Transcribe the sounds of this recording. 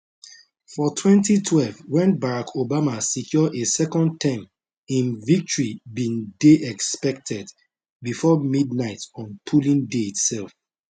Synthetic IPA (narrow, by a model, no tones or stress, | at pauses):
fɔtʰwɛ̃ntitʰwɛlvwɛ̃nbaɹakʰobamasikʰjɔʔesɛkɔ̃nd̚tʰãm | ĩnvik̚tɔɹibĩndeʔɛkspɛk̚tʰɛd | bifɔmidnaɪtɔ̃npʰulĩŋdeitsɛlf